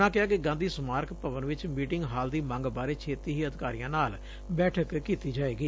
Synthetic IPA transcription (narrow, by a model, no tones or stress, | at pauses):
ãːkɪɦaːkɪɡãːnd̪iːsmaːɾkpəʋənʋɪt͡ʃmiːʈɪŋɡɦaːld̪iːmãŋɡbaːɾeːt͡ʃʰeːt̪iːɦiːəd̪ɪkaːɾijãːnaːl | bɛːʈʰəkkːiːt̪iːd͡ʒaːeːɡiː